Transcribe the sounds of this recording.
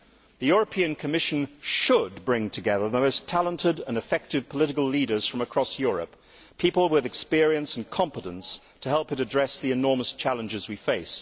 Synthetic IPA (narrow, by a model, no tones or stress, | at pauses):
ðɨjʊɹəpʰĩɨ̃nkʰɨmɪʃɨ̃nʃəd̚bɹɪ̃ŋtʰɨɡɛðə˞ðəmoʊstʰælˠə̃ntɪɾə̃nɨfɛk̚tɨv̥pʰəlɪɾɨkəl̩ˠliɾə˞z̥fɹʌ̃məkʰɹ̥ɒsjʊɹə̰p | pʰipəl̩ˠwɪðɨkspɪɹiɨ̃nsn̩kʰɑ̃mpəɾə̃ns | tʰəhɛlˠpɨɾɨdɹɛsðiɨnɔɹməst͡ʃʰælˠə̃nd͡ʒɨzwifeɪs